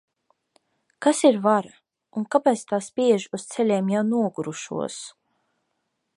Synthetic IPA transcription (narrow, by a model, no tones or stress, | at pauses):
kasiɾvaɾa | unkapɛjt̪st̪aːspʲiɛʒiust̪sɛlʲeːmjawnuɔɡuɾuʃṵɔs